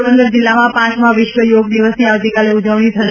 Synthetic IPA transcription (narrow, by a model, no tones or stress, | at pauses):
ə̃nd̪əɾd͡ʑɪlːamãpãt͡ʃmãʋɪʃʋəjoːɡd̪iʋəsniaːʋt̪ikaleʊd͡ʒəʋɽ̃it̪ʰə